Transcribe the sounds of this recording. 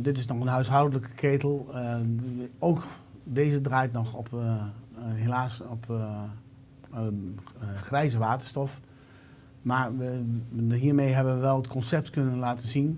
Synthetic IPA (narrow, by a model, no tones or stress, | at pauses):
dɪtɪsnɔxənɦœɥsɦawdələkə̥kʰeːtəl̩ˠ | owkdeːzədraːjtnɔxɔp | ɦelaːsɔp | xrɛjzəʋaːtəɹstɔf | maɹ | ɦiːɹmejɦɛbənʋəʋɛlˠətkʰɔnsɛp̚tkɵnənlaːtənzin